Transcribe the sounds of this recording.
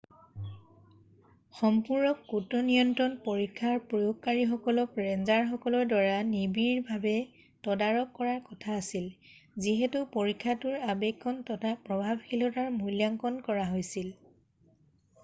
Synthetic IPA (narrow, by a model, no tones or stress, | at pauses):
xɔmpuɹnɔkːutɔnijɔntɔnpoɹikʰːaɹpɔjoɡ̚kaɹixɔkɔlɔkɹɛnzaɹxɔkɔlɔɹdwaɹanibiɹbʱabɛ | tɔdaɹɔkːɔɹaɹkɔtʰaːsil | ziɦetupoɹikʰːatʊɹabɛkʰːɔntɔtʰapɹɔbʱabxilɔtaɹmujljaŋkɔnkɔɹaɦojsil